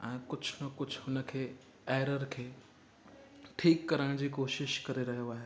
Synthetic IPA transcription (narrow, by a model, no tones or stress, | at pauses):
ɛ̃ːkʊd͡ʑʰʱnɐkʊd͡ʑʱʊnə̆kʰeː | eːɾəɾkʰeː | ʈʰiːkːɐɾəɽ̃d͡ʑiːkoːʃɪʃkɐɾeɾɐɦijoaːɦeː